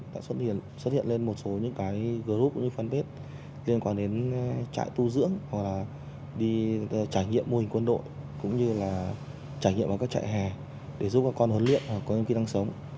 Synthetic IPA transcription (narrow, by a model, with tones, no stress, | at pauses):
t̪a̰ː˧˨swə˦˥t̚hi˧˨ənswə˦˥t̚hi˧ənle˧nmo˨˩t̚so˨˦ɲɨ̰˧˥ŋkaː˨˦jɣəː˧˨˩zu˦˥ʊ̰˧˥ŋ͡mɲɨ˧fa˧nt̪e˦˥t̚ | li˧ənkwaː˧nɗe˨˦nt͡ɕa̰ː˧˨jt̪u˧zɨ̰˧˥əŋha˨˩k̚laː˨˩ | ɗi˧t͡ɕaː˧˩jŋḭ˧˨əmːo˧hï˨˩ŋ̟kwə˧nɗo̰˧˨jkʊ̰˧˥ŋ͡mɲɨ˧laː˨˩ | t͡ɕaː˧˩jŋḭ˧˨ma˨˩kːaː˦˥kt͡ɕa̰ː˧˨jɦɛ˨˩ | ɗe˧˩zu˦˥p̚kaː˦˥kːɔ˧nhə˨˦lḭ˧˨ənhwa˨˩kːɔ˨˦ɲɨ̰˧˥ŋki˧na˧ŋsə˨˦wŋ͡m